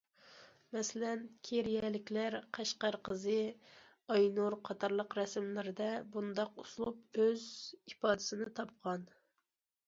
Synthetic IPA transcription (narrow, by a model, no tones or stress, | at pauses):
mɛsɪlɛnkʲʰeɾjɛlɪkʲlæɾqʰæʃqæɾqʰəzɨ | ɑjnuɾqʰɑt̪ʰɑɾlˠəqɾɛsmlɪɾɪd̪ɛbund̪ɑqusulˠup̚øzipɑːd̪ɪsɪnɪt̪ʰɑp̚qʰɑn